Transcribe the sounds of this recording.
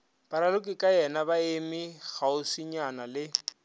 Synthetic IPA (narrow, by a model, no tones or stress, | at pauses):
paɾalʊkʼɪkʼajɛnabaemiɣaʊsiɲanalɪ